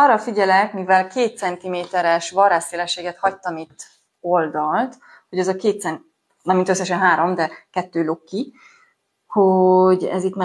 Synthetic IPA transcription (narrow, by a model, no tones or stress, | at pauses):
ɒrːɒfiɟɛlɛkmivɛlkeːt̪sɛnt̪imeːt̪ɛɾɛʃʋɒraːsseːlɛʃːeːɡɛt̪hɒct̪ɒmit̪ː | o̞ld̪ɒlt̪ | ho̞ɟɛzɒkeːt̪sɛn | nɛmint̪øsːɛʃɛnɦaːɾo̞md̪ɛkɛt̪ːøːlokːi | hoɟɛ̰zit̪ma